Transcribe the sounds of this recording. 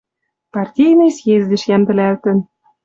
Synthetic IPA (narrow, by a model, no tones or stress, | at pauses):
pɑrtʲijnɤ̆jsjezʲd̪ɘ̆ʃjænb̪ɘ̆lʲælt̪ɘ̆n